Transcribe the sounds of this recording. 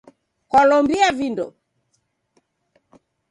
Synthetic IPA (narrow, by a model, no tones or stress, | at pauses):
kɔlɔmbiavindɔ